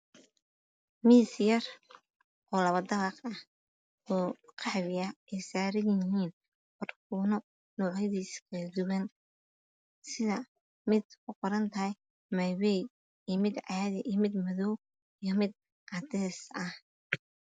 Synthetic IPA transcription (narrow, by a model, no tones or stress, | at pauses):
miːsjɐr | ʔɔːlɐβɐd̪ɐβɑqɐh | ɔːqʰɑħβɪɐɛjsaːɾɪjɦiːn | qʊrkʰuːnɔ | nɔːʕɐðiːskʰɐd̪ʊwɐn | sɪðɐ | mɪd̪kʰʊqɔɾɐnt̪ʰɐhɛj | mɐjwɛj | ijmɪd̪ʕɑːðɛʔiːjmɪd̪mɐðɔw | ijɔmɪd̪̚ | ʔɑd̪ɛːsɐh